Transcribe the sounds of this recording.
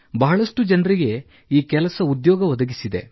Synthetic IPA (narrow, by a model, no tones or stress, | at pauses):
bɐɦɐɭɐʂʈud͡ʒɐnɾiɡe̞ | iːkɛlɐsɐud̪jɔːɡɐʋɐd̪ɐɡisid̪e̞̰